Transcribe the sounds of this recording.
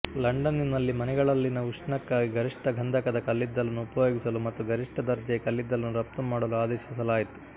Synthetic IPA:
lɐɳɖɐninɐlːimɐnɛɡɐɭɐlːinɐuʂɳɐkːaːɡiɡɐɾiʂʈɐɡʱɐnd̪ʱɐkɐd̪ɐkɐlːid̪ːɐlɐnːuupɐjo̞ːɡisɐlumɐt̪ːuɡɐɾiʂʈɐd̪ɐɾd͡ʒɐkɐlːid̪ːɐlɐnːuɾɐp̚t̪umaːɽɐluaːd̪ɛːʃis̬ɐlaːjit̪u̥

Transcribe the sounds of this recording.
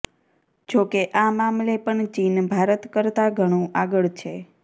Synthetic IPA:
d͡ʒokeʔamamlepəɳt͡ʃinbʱaɾət̪kəɾt̪aɡʱəɽ̃ũaɡəɭt͡ʃʰe

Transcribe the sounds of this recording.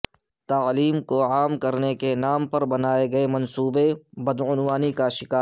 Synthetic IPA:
t̪aːliːmkoaːmkɐɾnekenaːmpɐɾbɐnaːeɡɐemɐ̃nsuːbebɐd̪ʊnwaːnikaʃɪkaː

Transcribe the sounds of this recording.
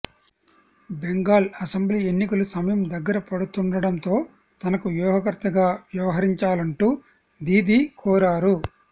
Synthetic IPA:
beŋɡaːlɐsembliːe̞nːikɐlusɐmɐjɐmd̪ɐɡːɐɾɐpɐɽut̪uɳɖɐɽɐnt̪o̞ː | t̪ɐnɐkuʋjuːɦɐkɐɾt̪ɐɡaːʋjɐʋɐɦɐɾiɲt͡ʃaːlɐɳʈuː | d̪iːd̪ikʰɔːɾaːɾu

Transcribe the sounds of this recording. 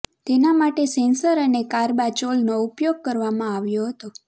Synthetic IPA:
t̪enamaʈesɛ̃nsəɾənekaɾbat͡ʃolnoupjoɡ̚kəɾʋamãaʋjoɦət̪o

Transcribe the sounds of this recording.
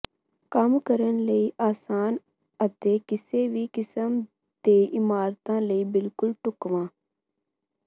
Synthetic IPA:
kəmkəɾənləiːʔaːsaːn | ət̪eːkɪseːʋiːkɪsəm | d̪eːɪmaːɾt̪ãːləiːbɪlkʊlʈʊkʋãː

